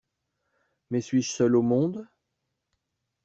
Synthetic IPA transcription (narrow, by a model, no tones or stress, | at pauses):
mɛsɥiʒsœlomɔ̃d̪